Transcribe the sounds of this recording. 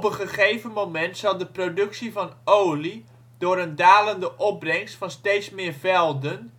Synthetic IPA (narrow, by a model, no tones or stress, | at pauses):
pənχəχejvənmomɛntsɑlˠdəprowdɵksivɑnowli | d̥ʊːɾəndaːləndəʔɔb̚brɛŋstfɑnstejtsmɪːɹvɛlˠdən